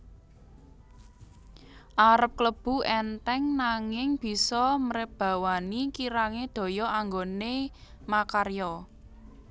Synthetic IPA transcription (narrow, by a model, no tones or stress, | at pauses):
ʔaɾəp̚kləb̥ṳɛnt̪ɛŋnaŋɪŋb̥i̤sɔməɾɪp̚b̥a̤wanikiɾaŋed̪̥o̤jɔʔaŋɡone | makarjɔ